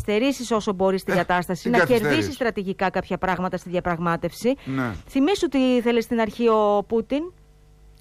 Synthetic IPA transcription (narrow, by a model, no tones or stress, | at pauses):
st̪e̞ɾisiso̞so̞bo̞ɾist̪iɡɐt̪ɐst̪ɐsinɐce̞ɾðisist̪ɾɐt̪iʝikɐkɐpçɐpɾɐɣmɐt̪ɐst̪iðʝɐpɾɐɣmɐt̪e̞fsinθimisot̪iθe̞lest̪inɐɾçio̞put̪in